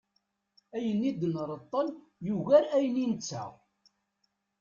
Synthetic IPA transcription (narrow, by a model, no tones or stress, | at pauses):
æjənːid̪ənɾˤət̪ˤːən | juɣæɾæjəninət͡sːæ̰ʁ